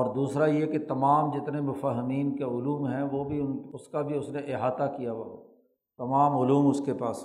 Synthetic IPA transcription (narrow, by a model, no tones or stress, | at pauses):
ɔːɾd̪uːsɾajeket̪ɐmaːmd͡ʒɪt̪nemʊfəɦəmiːnkeʊluːmɦɛ̃ʋobʱiʊnʊskabʱiʊsneʔɪɦaːt̪akijaʋa | t̪ɐmaːmʊluːmʊskepaːs